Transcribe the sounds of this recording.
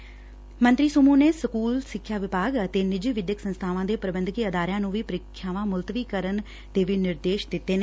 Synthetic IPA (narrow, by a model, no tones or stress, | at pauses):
mə̃nt̪ɾiːsʊmũːneːsəkuːlsɪkʰːjaːʋɪpaːɡət̪eːnɪd͡ʒiːʋɪd̪jəksənst̪ʰaːʋãːd̪eːpɾəbənd̪kiːəd̪aːɾjãːnũːʋiːpəɾɪkʰːjaːʋãːmʊlt̪əʋiːkəɾən | d̪eːʋiːnɪɾd̪eːʃd̪ɪt̪ːeːneː